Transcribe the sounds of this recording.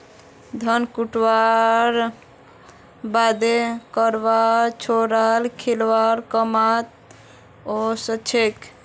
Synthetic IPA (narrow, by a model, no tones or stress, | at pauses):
d̪ʱənkuʈwaɾ | bad̪ekəɾbaɾt͡ʃʰoɾalkʰilʋaɾkəmat̪̚ | osət͡ʃʰek